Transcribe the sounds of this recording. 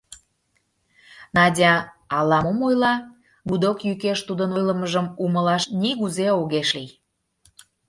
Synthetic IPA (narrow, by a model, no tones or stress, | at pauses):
nɑdʲɑ | ɑlɑmomojlɑ | bud̪okjykeʃt̪ud̪ənojləməʒəmuməlɑʃniɣuzeoɣeʃlij